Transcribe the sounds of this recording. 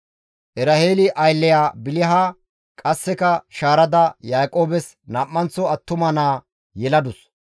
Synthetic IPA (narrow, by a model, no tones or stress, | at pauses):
ʔɛɾɐheːlɪʔɐjlːɛjaːbɪlɪɦaː | kʼɐsːɛkɐʃaːɾɐd̪ɐjaːkʼo̞ːbɛs | naːʔːɐnt͡sːɔɐt̪ːʊmɐnaː | jɛlɐd̪ʊs